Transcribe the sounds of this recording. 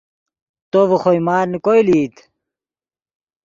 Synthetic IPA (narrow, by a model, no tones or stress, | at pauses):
t̪oʋɐxojmaːɾnikojliːt̪